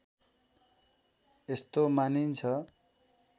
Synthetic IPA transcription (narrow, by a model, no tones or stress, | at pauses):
est̪omanint͡sʰʌ